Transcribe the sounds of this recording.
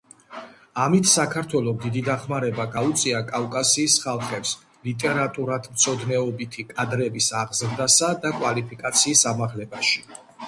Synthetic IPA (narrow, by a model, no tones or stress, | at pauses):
amit̪ʰsakʰaɾt̪ʰwɛlˠɔmd̪id̪id̪aχmaɾɛbaɡaut̪sʼiakʼavkʼasiːsχalˠχɛps | lit̪ʼɛɾat̪ʼuɾad̪mt̪sʰɔd̪nɛɔbit̪ʰikʼad̪ɾɛbisaʁzɾd̪asad̪akʼwalipʰikʼat̪sʰiːsamaʁlɛbaʃi̥